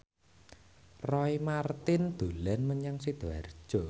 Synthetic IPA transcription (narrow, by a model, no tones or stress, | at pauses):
rɔimart̪ɪnd̪̥ulɛnməɲaŋsed̪̥a̰r̥ʒ̥ɔ